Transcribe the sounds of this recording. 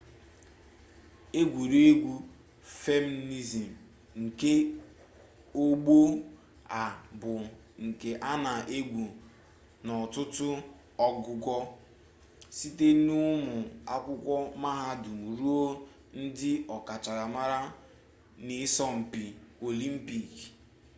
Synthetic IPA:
e˦ɡʷu˨ɾe˦ɡʷu˦ | fe˦m˦ni˦zi˨m̩˨ | ŋ̩˨ke˦ | o˦ɡ͡bo˦ | a˨bʊ˨ | ŋ̩˨ke˨ʔa˦na˨ʔe˦ɡʷu˨ | nɔ˨tʊ˦tʊ˦ | ɔ˦ɡʊ˦ɡʷɔ˦ | si˦te˦nʊ˦mʊ˨a˦kʷʊ˦kʷɔ˦ma˦ɦa˦du˨mu˨ɾu˦o˦ | n̩˦dɪ˦ɔ˨ka˨t͡ʃa˨ɾa˨ma˦ɾa˦ | nɪ˨˦sɔ˦m̩˨pi˨o˨li˦m̩˦pi˨k

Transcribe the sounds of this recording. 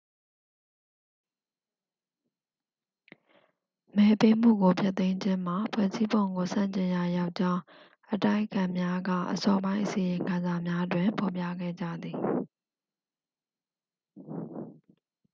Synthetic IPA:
mɛ˦pe˦m̥ṵ˦˨ɡo˨pʰja˦t̪ẽ˦ɪ̃ɲd͡ʑɪ̃˦m̥a˨pʰwɛ̰˦˨zi˦bõ˨ʊ̃ŋɡo˨sã̰˦˨ɲt͡ɕɪ̃˨ja˨ja˦ʊʔt͡ɕã˦ʊ̃ | ʔəta˦ɪəkʰã˨mja˦ɡä̰˦˨ʔəsɔ˦bã˦ɪ̃ʔəsi˨jɪ̃˨ŋkʰã˨nza˨mja˦dwɪ̃˨mpʰɔ˨pjä̰˦˨ɡɛ̰˦˨d͡ʑä̰˦˨d̪i˨

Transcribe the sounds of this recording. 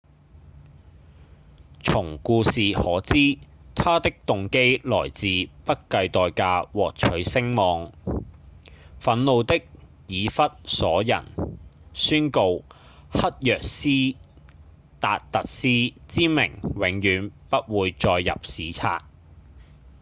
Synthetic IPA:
t͡sʰʊ˨˩ŋkuː˧siː˨hɔː˨˥t͡siː˥t̪ʰaː˥t̪ɪ˥k̚t̪ʊ˨ŋke˥jlɔ̰ː˨˩jt͡siː˨pɐ˥t̚kɐ˧jt̪ɔː˨jkaː˧wɔː˨k̚t͡ʃʰɵ˨˥ɥsɪ˥ŋmɔː˨˧ŋ | fɐ˨˥nlo˨˧wt̪ɪ˥k̚ | jiː˨˧fɐ˥t̚sɔː˨˥jɐ̰˨˩n | syː˥nko˧w | hɐ˥t̚jœː˨k̚siː˥ | t̪aː˨t̚t̪ɐ˨t̚siː˥t͡siː˥mɪ̰˨˩ŋwɪ˨˥ŋjyː˨˥npɐ˥t̚wuː˨˧jt͡ʃɔː˧jːɐ̰˨p̚siː˨t͡sʰa̰ː˧t̚

